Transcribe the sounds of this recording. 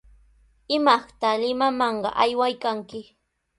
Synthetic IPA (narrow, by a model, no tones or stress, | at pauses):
ɪmɑχt̪alɪmamɑɴɢɑ̰ʔajwajkaŋkɪ